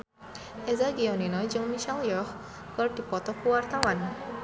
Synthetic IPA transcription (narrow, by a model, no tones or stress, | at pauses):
ezaɡijɔninɔjd͡ʒəwmiʃaljɔx | kəɾʈipɔt̪ɔkuwaɾt̪ʰawan